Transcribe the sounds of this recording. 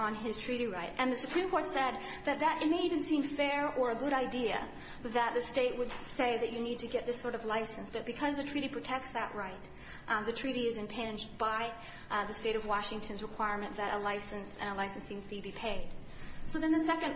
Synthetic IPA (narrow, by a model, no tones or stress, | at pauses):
ə̃nɪz̥tʰɹ̥iɾiɹaɪɾʔɨ̃nðɨsɨpʰɹ̥ĩmkʰɔɹtsɛd̪̚ | ðɨt̪̚ðəɾɨt̚meɪivɨ̃n̩sĩɱfɛɹə˞ɨɡʊɾaɪdiɨ̰ | ðət̪̚ðɨsteɪʔ̚wəd̥seɪðɨt͡ʃɨnid̚tʰɨɡɛt̪̚ðɪsɔɹɾʌvlaɪsɨ̃nsb̥ʌt̚b̥ɨkʰʌzðɨtʰɹ̥iɾipʰɹ̥ɨtʰɛk̚tsðɨʔɹaɪt̚ | ðɨtʰɹ̥iɾiɨzɨ̃mpʰɛɪ̃nd͡ʒb̥aɪ | ðɨsteɪɾʌvwɑʃɪ̃ŋtʰɨ̃nzɹɨkʰw̥aɪɹmɨ̃nðɨɾʔəlaɪsɨ̃nsɨ̰̃ñəlaɪsn̩sĩmtʰibipʰeɪd̥soʊðɨ̃nðɨsɛkɨ̃n